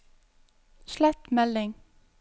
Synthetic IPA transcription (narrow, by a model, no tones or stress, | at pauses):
ʃlæt̪mɛlɪŋ